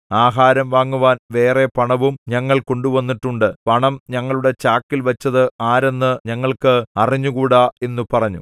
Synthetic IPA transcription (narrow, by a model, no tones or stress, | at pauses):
aːɦaːɾɐmʋaːŋːuʋaːnʋe̞ːre̞pɐɳɐʋumɲɐŋːɐɭko̞ɳɖuʋɐnːiʈːuɳɖɨpɐɳɐmɲɐŋːɐɭuɽe̞t͡ɕaːkːilʋɐt͡ɕːɐðɨaːɾe̞nːɨɲɐŋːɐɭkɨɐriɲːukuːɽae̞nːupɐrɐɲːṵ